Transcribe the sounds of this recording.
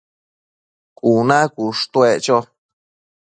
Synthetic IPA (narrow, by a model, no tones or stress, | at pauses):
kunãkuʂt̪wet͡ʃo